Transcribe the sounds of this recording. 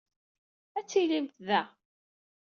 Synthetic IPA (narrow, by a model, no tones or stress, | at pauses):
æt͡sːilimt̪ðæ